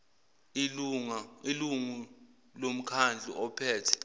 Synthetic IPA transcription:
iluŋailuŋu | lom̩kʰand͡ɮʱḭʔɔpʰɛːtʰɛ̥

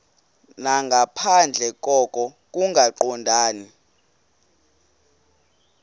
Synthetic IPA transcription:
naŋɡʱapʰand͡ɮʱɛk̬ʼɔkʼɔk̬ʼuŋɡʱaǃɔndʱaːni

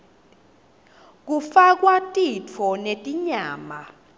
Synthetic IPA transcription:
k̬ufak̬ʼwatʼit͡fʰɔnetʼiɲaːma

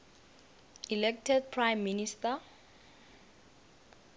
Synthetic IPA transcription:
ilɛk̚tʰɛd̚pʰrajmːinista

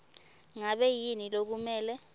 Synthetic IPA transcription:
ŋaɓɛjinilok̬umɛːlɛ

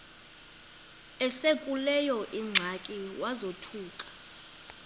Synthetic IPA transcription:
ɛsekʼulɛjɔʔiŋ͡ǀʱakʼiwazotʰuːkʼḁ

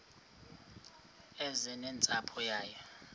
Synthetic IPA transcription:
ɛzɛnɛnt͡sʼapʰɔjaːjɛ

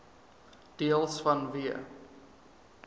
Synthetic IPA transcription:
d̥iəlˠsfɐnviə

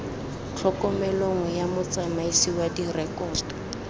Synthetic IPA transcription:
t͡ɬʰɔkɔmɛloŋɔjamʊt͡sʼamaisiwadirɛkʼɔːdɔ

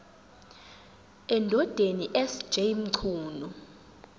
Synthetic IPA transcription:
ɛndʱɔd̥ʱeniʔɛsd̥ʒ̥ʱejm̩ǀʰuːnu

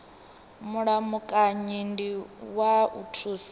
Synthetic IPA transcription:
muɺamukʼaɲindiwaṵtʰus

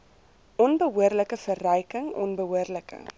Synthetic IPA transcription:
ʔɔnbəɦuərləkəfərɛjkəŋɔ̰nbəɦuərləkə̰

